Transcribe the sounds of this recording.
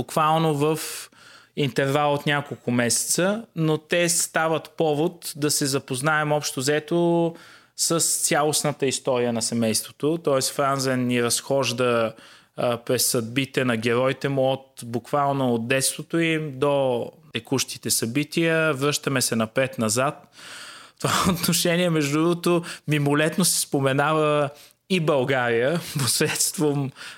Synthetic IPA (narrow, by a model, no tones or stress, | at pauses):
bʊkvalˠnovəf | int̪ɛɾvalˠot̪nʲjakolˠkʊmɛsɛ̥t̪sənot̪ɛst̪avət̪pɔvot̪d̪ɐsɛzɐpoznaɛmɔpʃt̪ozɛt̪o | səst̪sʲjalˠosnət̪əist̪ɔɾijənɐsɛmɛjst̪vot̪ot̪ɔɛsfɾanzɛnːiɾɐsxɔʒd̪ə | pɾɛsːɐd̪̚bit̪ɛnɐɡɛɾɔjt̪ɛmuot̪bukvalˠnoːd̪̚d̪ɛt̪st̪vot̪oimd̪ot̪ɛkuʃt̪i̥t̪ɛsɐbit̪iəvɾɤʃt̪əmɛsɛnɐpɾɛt̪nɐzat̪ | t̪ovaot̪noʃɛniɛmɛʒd̪ʊd̪ɾuvt̪omimolɛt̪nosɛ̥spomɛnavə | ibɐlˠɡaɾijəposɾɛt̪st̪vom